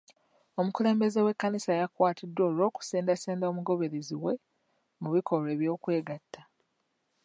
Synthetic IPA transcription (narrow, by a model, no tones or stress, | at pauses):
o̞mukule̞ːmbe̞ze̞we̞kːanisajakwaːtʰidːwoːlo̞ːku̥seːndaseːndaomuɡo̞βe̞ɾeziwe̞ | muβikʰo̞ɾwe̞ːβjo̞ːkwe̞ːɡatːa